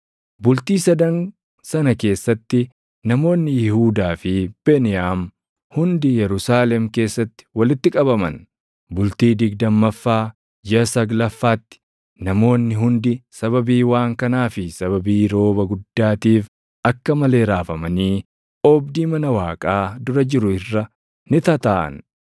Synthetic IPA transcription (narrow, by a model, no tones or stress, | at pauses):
bʊlt̪iːsɐd̪ɐn | sɐnɐke̞ːsːɐt̪ːɪ | nɐmo̞ːnːɪjɪhuːd̪aːfɪb̥enɪjaːm | hʊnd̪ɪjɛɾʊsaːlɛmke̞ːsːɐt̪ːɪ̥wɐlɪt̪ːɪkʼɐbɐmɐ̰n | bʊlt̪iːd̪ɪɡd̪ɐmːɐfːaː | d͡ʒɪɐsɐɡlɐfːaːt̪ːɪ̥ | nɐmo̞ːnːɪɦʊnd̪ɪsɐβɐbiːwaːŋkɐnaːfɪsɐβɐbiːɾo̞ːbɐɡʊd̪ːaːt̪iːf | ɐkːɐmɐle̞ːɾaːfɐmɐniː | ɔbd̪iːmɐnɐwaːkʼaːd̪ʊɾɐd͡ʒɪɾʊɪrːɐ | nɪt̪ɐt̪aːʔɐ̰n